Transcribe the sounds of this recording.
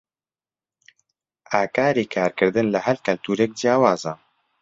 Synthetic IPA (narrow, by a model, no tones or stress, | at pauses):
aːkaːɾeːkʰaːɾkɨɾd̪ɨnlɨɦɛlkɐlt̪uːɾek̚d͡ʒjaːwaːzɑː